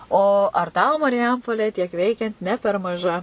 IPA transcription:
oː ɐr ˈtɐʊ mɐrʲɪˈjɛmpoːlʲeː tʲiɛk ˈʋʲɛɪkʲɛnt nʲɛ pʲɛr mɐˈʒɐ

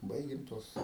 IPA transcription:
ˈbɐɪɡʲɪm ˈtuɔs

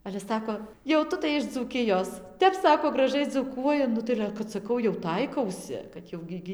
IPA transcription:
ɐlʲɛ ˈsɑːkoː jɛʊ ˈtʊ tɐɪ ɪʃ d͡zuːˈkʲɪjoːs ˈtʲɛp ˈsɑːkoː ɡrɐˈʒɐɪ d͡zuːˈkuɔjɪ ˈnʊ tɐɪ ɐlʲɛ kɐt sɐˈkɐʊ jɛʊ ˈtɐɪkɐʊsʲɪ kɐt ˈjɛʊ ɡʲɪ ˈɡʲɪ

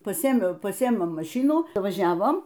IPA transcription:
pɐˈsʲeːeːmʲɛʊ pɐˈsʲeːeːmʲɛʊ mɐˈʃʲɪnuː ʋɐˈʒʲæːʋoːm

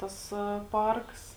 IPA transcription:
ˈtɐs ˈpɐrks

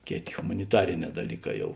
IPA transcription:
ˈkʲeːˌtʲeː ɣʊmɐnʲɪˈtɑːrʲɪˌnʲɛː dɐˈlʲiːˌkɑː ˈjɛʊ

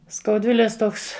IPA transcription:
skɐʊˈdʲʋʲɪlʲeːs ˈtoːks

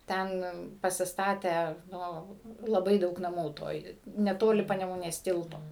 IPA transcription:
ˈtʲɛn pɐsʲɪsˈtɑːtʲæː ˈnʊ lˠɐˈbɐɪ ˈdɐʊk nɐˈmuː ˈtoːj nʲɛˈtoːlʲɪ pɐnʲɛmʊˈnʲeːs ˈtʲɪlˠtoː

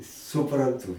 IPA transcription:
sʊprɐnˈtuː

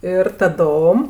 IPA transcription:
ɪr tɐˈdoːm

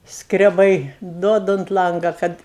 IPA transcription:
skrʲɛˈbɐɪ ˈduɔdɐ ʊnt ˈlˠɐŋɡɐ ˈkɐt

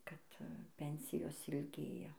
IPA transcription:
ˈkɐt ˈpʲɛnʲsʲɪjoːs ɪlʲˈɡʲeːjɛ

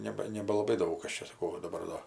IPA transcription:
ˈnʲæːbɐ nʲɛbɐlˠɐˈbɐɪ ˈdɐʊk ˈkɐs t͡ʃʲɛ sɐˈkɐʊ ʋɐ dɐˈbɐr doː

